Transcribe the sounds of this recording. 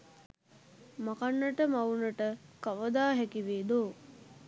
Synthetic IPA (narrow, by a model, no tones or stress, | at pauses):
makanːəʈəmaunəʈəkaʋəd̪aːɦɛkiʋeːd̪oː